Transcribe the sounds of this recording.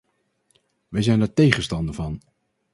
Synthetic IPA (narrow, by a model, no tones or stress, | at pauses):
ʋɛjzɛjndaːɹtejχənstɑndəvɑn